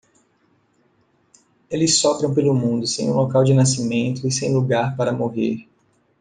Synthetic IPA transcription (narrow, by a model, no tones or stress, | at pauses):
elɪsɔbɾɐ̃w̃pelʊmũnd̪ʊsẽj̃ũlokawd͡ʒɪnasimẽnt̪ʊisẽj̃luɡaɾpaɾɐmoɦḛɾ